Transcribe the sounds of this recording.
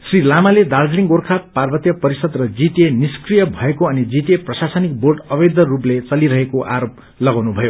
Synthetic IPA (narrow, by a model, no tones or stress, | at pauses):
srilamaled̪ard͡zliŋɡorkʰaparbʌt̪jʌpʌɾisʌd̪rʌd͡zit̪eniskrijʌbʱʌekoʌnid͡zit̪eprʌsasʌnik̚borɖʌbed̪ʌruplet͡sʌliɾʌɦekoʔaɾop | lʌɡawnubʱʌjo